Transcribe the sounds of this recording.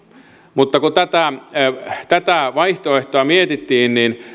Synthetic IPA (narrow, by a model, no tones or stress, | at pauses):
mut̪ːɑkut̪æt̪æ | t̪æt̪æˑʋɑiht̪oeht̪oɑmiet̪it̪ːiːnnin